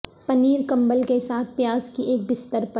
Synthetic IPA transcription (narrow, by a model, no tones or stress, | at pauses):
pɐniːɾkɐ̃mbəlkesaːt̪̚ʰpjaːzkiʔeːk̚bɪst̪əɾpə